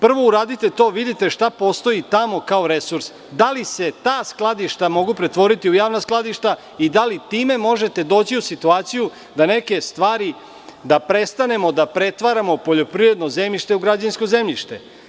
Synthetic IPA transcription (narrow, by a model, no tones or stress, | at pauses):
pr̩ʋo̞uɾaːd̪it̪e̞t̪o̞ːʋid̪it̪e̞ʃt̪apo̞st̪o̞it̪amo̞kaoɾe̞suɾs | d̪alise̞t̪aːsklˠad̪iʃt̪amo̞ɡupɾe̞t̪ʋo̞ɾit̪iujaːʋnasklˠad̪iʃt̪a | id̪alit̪iːme̞mo̞ʒe̞t̪e̞d̪o̞ːt͡ɕiusit̪uaːt̪siju | d̪ane̞ke̞st̪ʋaːɾi | d̪apɾe̞st̪ane̞mo̞d̪apɾe̞t̪ʋaɾamo̞po̞ʎo̞pɾivɾe̞d̪no̞zemʎiʃt̪euɡɾad͡ʑansko̞ze̞mʎiʃt̪e̞